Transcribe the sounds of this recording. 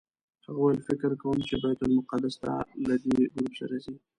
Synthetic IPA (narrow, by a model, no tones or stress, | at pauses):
haɣwajlfɪkɾkawəmt͡ʃebajat̪əlmʊqad̪ast̪a̰lad̪eɡɾupsa̰ɾazi